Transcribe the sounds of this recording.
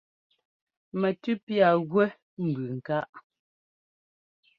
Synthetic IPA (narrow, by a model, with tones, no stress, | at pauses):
mɛ˨tʉ˦pja˨ɣwɛ˦ | m̩˨bʉ˨ŋ̩˨ka˦ʔ